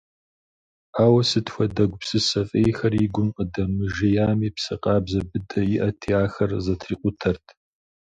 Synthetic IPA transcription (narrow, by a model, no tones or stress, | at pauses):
aːwɐsɨtxʷɐdɐɡʷpsɨsɐfʼeːjxɐriɡʷʊmqʼədɐmɨʒejaːmiːpsɐqʼɑːbzɐbɨdɐjɪʔɐtʰiːaːxɐrzɐtʰriːqʷʼʊtʰɐrtʰ